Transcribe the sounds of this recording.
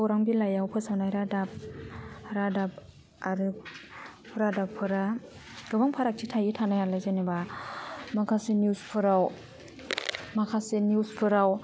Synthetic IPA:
wɾaŋbilajawpʰɯsawnajɾadap̚ | ɾadap̚ | aɾɯ | pʰɯɾadapʰɯɾa | ɾɯbaŋpʰaɾak̚tʰitʰajitʰanajalajzaneba | makʰasenuspʰɯɾaw | makʰasenuwspʰɯɾaw

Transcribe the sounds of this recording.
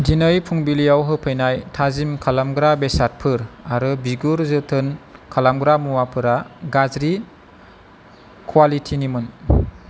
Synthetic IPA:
dinɯjpʰuŋbilijawɦɯpʰɯjnajtʰazimkʰalamɡɾabesaɾ̚pʰɯɾaɾɯbiɡuɾzɯtʰɯnkʰalamɡɾamuwapʰɯɾaɡazɾi | kʰwalitʰinimɯn

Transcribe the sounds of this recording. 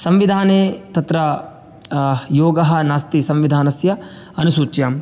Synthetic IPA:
sɐmʋid̪ʱaːneːt̪ɐt̪ɾɐ | joːɡɐɦɐ̆naːst̪isɐmʋid̪ʱaːnɐsjɐ | ɐnusuːt͡ʃjaːm

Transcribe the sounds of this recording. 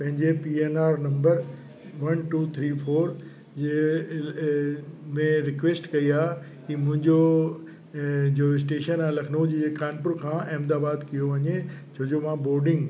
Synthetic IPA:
pɐ̃ɦɪ̃ɲd͡ʑepiːeːnaːɾnɐ̃mbəɾ | ʋɐnʈuːt̪ʰɾiːfʰoːɾ | d͡ʑe | mẽɾɪkʋeːsʈkɐiaː | kiːmʊ̃ɦɪ̃ɲd͡ʑo | d͡ʑoɪs̬ʈeːʃənãːlɐkʰnũd͡ʑiekaːnpʊɾkʰãːeːmd̪aːbaːd̪kijoʋɐɲed͡ʑʰʱoːd͡ʑomãboːɾɖɪ̃ŋɡ

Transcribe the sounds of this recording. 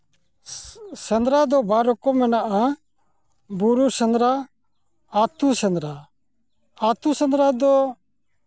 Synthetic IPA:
sɛnd̪ɾad̪ɔbaɾɔkɔmɛnaʔa | buɾuɾsɛnd̪ɾa | at̪usɛnd̪ɾa | at̪usɛnd̪ɾad̪ɔ

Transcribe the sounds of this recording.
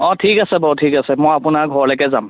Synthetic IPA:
ɔ̃tʰikasɛbɔɦʊt̚ʰikasɛmɔjapʊnaɹɡʱɔɹlɔjkɛzam

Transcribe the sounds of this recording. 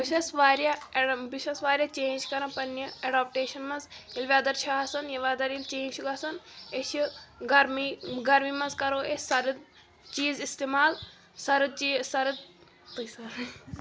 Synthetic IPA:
ʋiʃɐsʋaːɾjɐʋiʃɐsʋaːɾʲjɐt͡ʃeːnd͡ʒkɐɾɐ̃pɐnjɐeɖaːp̚ʈeːʃɐnmɐnzilʋʲaːd̪ɐɾt͡ʃʰaɦɐsɐnjɐʋad̪ɐɾilt͡ʃeːnʃuɡɐsɐneʃiɡɐɾmiɡɐɾmimɐnzkɐɾoːesɐɾɨd̪̚ | t͡ʃiːzist̪eːmaːl | sɐɾɨd̪̚t͡ʃisɐɾɨd̪ | t̪ɨjsɐɾ

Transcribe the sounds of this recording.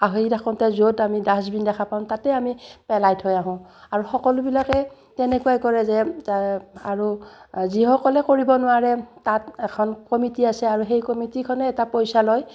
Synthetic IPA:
aɦidakʰɔntɛzotamidasbindɛkʰapaʊ̃tatɛamipɛlajtʰɔjaɦʊ̃aɹuxɔkɔlʊbilakɛ | tɛnɛkuajkɔɹɛzɛ | aɹuzixɔkɔlɛkoɹibɔnʊaɹɛtatɛkʰɔnkɔmitiasɛaɹuɦejkɔmitikʰɔnɛːtapojsaloj

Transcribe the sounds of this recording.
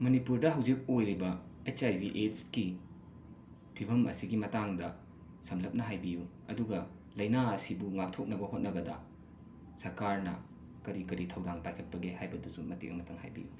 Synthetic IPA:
mɐnipuɾdɐɦɐwd͡ʒik̚ojɾibɐet͡ʃajbiʔetski | pʰibʱɐmɐ̰siɡimɐtaŋdɐ | sɐmlɐp̚nɐɦajbiju | ɐduɡɐ | lɐjnaɐsibuŋak̚tʰok̚nɐbɐɦot̚nɐbɐdɐ | sɐɾkaɾnɐ | kɐɾikɐɾitʰɐwdaŋpajkʰɐt̚pɐɡehajbɐdusumɐtḭkʔɐ̰mɐtʰɐŋha̰jbḭju

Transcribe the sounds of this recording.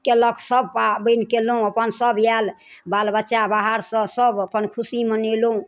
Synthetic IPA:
keləkʰsəb̚ʱpabəjnkeloɦũəpənsəbjal | balbətːʃabaɦaɾsə̃səbəpənkʰusimənelɦũ

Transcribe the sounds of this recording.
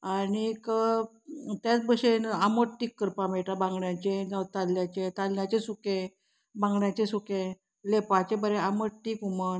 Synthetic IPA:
aɽ̃ikə | t̪jat͡sbəɕenaməʈʈːiːkːəɾpãmeʈabãŋɡɳjat͡ɕẽnət̪alːjat͡ɕet̪alnjat͡ɕesukẽ | bãŋɡɳjat͡ɕesukẽ | lepat͡ɕẽbəɾeaməʈːiːkuməɳ

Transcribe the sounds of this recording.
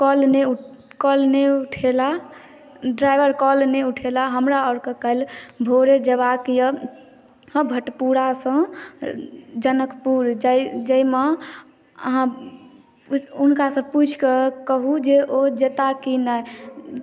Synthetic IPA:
kɔlneu | kɔlneuʈʰela | ɖɾajbəɾkɔlneuʈʰelaɦəmɾaɔɾkəkəlbʱoɾed͡ʒəbakijə | ə̃bʱəʈpuɾasə̃ | d͡ʒənəkpuɾd͡ʒd͡ʒəime | ə̰ɦã | unkasə̃put͡ʃʰkekəɦud͡ʒeʔod͡ʒet̪akina

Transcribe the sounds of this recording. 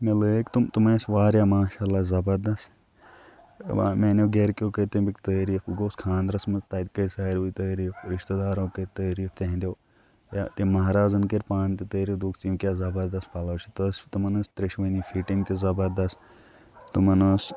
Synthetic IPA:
meləkt̪umt̪umɐːsʋaːɾʲjaːmaːʃaːlːazɐbɐɾd̪ɐs | a̰meːnoɡeɾkjoːkəɾʲt̪embikt̪ɐːɾiːfuɡoːskʰãːnd̪ɾɐsmɐst̪ɐd̪kəɾʲsaːɾʋuit̪ɐːɾiːfɾiʃt̪ɐd̪aːɾoːkəɾt̪ɐːɾiːft̪ʲeɦnd̪joː | ja̰t̪emɐɦɾaːzɐnkeɾʲpaːnt̪it̪əːɾiːfd̪ukʰt͡simkʲjaːzɐbɐɾd̪ɐspɐlɐːt͡ʃʰit̪ɐst̪umɐnɐst̪ɾeʃʋɐnifiʈiŋt̪ʲizɐbɐɾd̪ɐs | t̪umɐnɐs

